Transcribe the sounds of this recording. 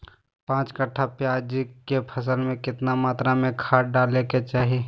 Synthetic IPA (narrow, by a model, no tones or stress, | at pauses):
pãːt͡ʃkəʈʰːapjaːd͡ʒikepʰəsəlmẽkɪt̪namaːt̪ɾamẽkʰaːʈɖaːleket͡ʃaːɦe